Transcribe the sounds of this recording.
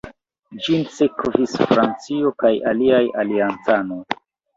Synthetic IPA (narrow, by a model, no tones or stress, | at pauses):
d͡ʒinsekvisfɾant͡sio̞kajaliajaliant͡sano̞j